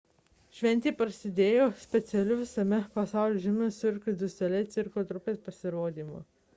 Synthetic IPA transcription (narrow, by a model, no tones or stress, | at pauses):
ʃʲʋʲɛnʲt̪ʲiːpɾsʲɪd̪ʲeːjoːsʲpʲɛt̪sʲɛlʲʊʋʲɪsɐmʲɛpɐsɑˑʊlʲʊʒʲɪmʲʊsʲʊɪɾkɾʲɪd̪ʲʊsʲt̪ʲɛlʲɛɪt̪sʲɪɾkot̪ɾʊpʲeːspɐsʲɪɾoːd̪ʲiːmʊ̰